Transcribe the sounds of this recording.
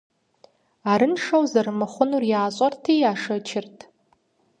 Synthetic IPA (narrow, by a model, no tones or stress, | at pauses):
aɾɨnʂɐwzɐrmɨχʷʊnurjaːɕʷʼɐrtʰiːjaːʂɐt͡ʃʰɪrtʰ